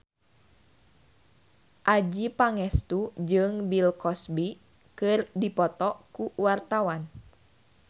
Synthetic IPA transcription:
ʔad͡ʒipaŋɛst̪ud͡ʒɨŋbilkɔsbi | kɨrdipɔt̪ɔkuwart̪awan

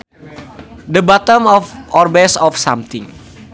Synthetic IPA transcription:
d̪əbat̪əmɔfʔɔrbɛsɔfsamt̪ɪŋ

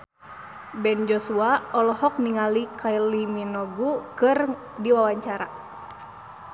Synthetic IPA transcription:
bɛnd͡ʒɔsuaɔlɔhɔk̚niŋalikʰailiminɔɡukɨr | diwawaɲt͡ʃaɾa

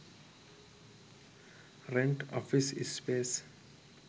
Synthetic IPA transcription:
ɾɛ̃ɳʈɔ̰fisḭspes

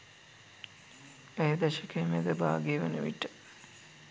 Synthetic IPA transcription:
ejed̪ɐʃəkemḛd̪əba̰ːɡeːʋənəʋḭʈːə̥

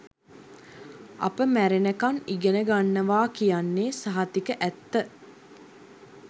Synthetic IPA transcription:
a̰pəmæɾenəkaniɡenəɡanːəʋaːkijanːeːsaɦat̪ikəʔæt̪ːə

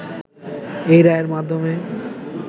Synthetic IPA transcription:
ejɾaeɾmad̪ʱːome

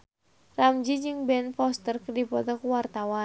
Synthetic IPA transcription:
ramd͡ʒid͡ʒɨŋbɛnfɔst̪ərkərdipɔt̪ɔkuwart̪awa

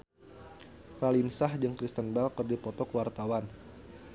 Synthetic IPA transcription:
ralinsahd͡ʒɨŋkɾist̪ənbalkərdipɔt̪ɔkəwart̪awan

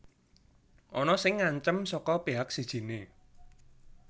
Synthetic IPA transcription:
ʔɔnɔsɪŋːaɲt͡ʃəmsɔkɔpeɦak̚sid̥ʒ̥i̤ne

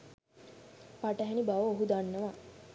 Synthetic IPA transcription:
paʈəɦɛnibaʋəoɦud̪anːəʋa

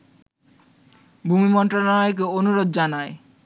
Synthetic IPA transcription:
bʱumimɔnʈɾolnaek̬eonuɾod̪̚d͡ʑanae

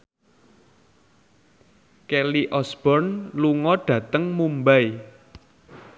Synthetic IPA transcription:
kɛliʔɔsb̥ɔrnluŋɔɖ̥ä̤t̪əŋmumbaj

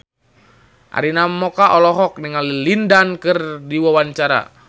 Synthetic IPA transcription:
ʔa̰ɾinamɔkaʔɔlɔɦɔk̚niŋalilindankɨrdiwawaɲt͡ʃaɾa̰

